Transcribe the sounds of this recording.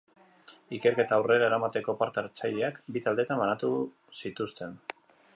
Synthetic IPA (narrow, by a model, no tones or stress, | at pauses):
ike̞ɾke̞t̪aːwre̞ɾae̞ɾamat̪e̞ko̞paɾt̪eaɾt͡sajʎeakbit̪ald̪e̞t̪ambanat̪u | sit̪ust̪e̞n